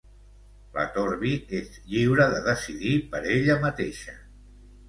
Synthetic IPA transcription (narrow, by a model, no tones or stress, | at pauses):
lə̰t̪oɾβiezʎiwɾəðəðəsiðipəɾeʎəmət̪eʃə